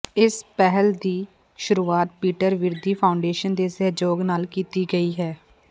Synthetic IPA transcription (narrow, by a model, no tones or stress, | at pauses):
ɪspɛɦəld̪iː | ʃʊɾuːaːt̪̚piːʈəɾʋɪɾd̪iːpʰaːʊɳɖeːʃənd̪eːsɛɦd͡ʒoːɡnaːlkiːt̪iːɡəiːɦɛː